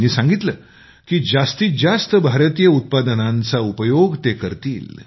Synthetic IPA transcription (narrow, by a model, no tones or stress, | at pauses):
niːsãŋɡit̪ləː | kiːd͡zast̪iːd͡zast̪əbʱaɾət̪ijəut̪̚pad̪ənãnt͡saupəjoɡt̪ekəɾt̪ḭːl